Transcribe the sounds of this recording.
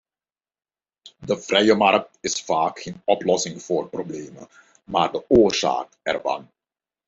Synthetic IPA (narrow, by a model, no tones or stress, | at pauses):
dəv̥rɛjəmɑrk̚tɪsfaːkxeːnɔplɔsɪŋv̥oːrprobleːmə̰ | maːrdəoːrza̰ːk̚ɛ̰rvɑ̰n